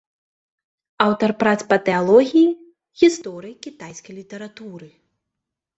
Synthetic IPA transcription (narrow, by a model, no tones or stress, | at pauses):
awt̪ɐrpɾat̪spɐt̪ɛalˠɔɣʲiji | ɣʲist̪ɔɾɨjikʲit̪ajsʲkɐjlʲit̪ɛɾat̪uɾɨ